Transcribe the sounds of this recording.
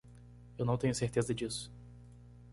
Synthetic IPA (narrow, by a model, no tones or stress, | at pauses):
ewnɐ̃w̃t̪ẽɲʊseɾt̪ezɐd͡ʒisʊ̥